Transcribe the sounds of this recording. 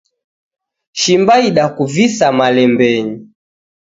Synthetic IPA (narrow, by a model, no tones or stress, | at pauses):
ʃimbaiɗakuvisamalɛmbɛɲi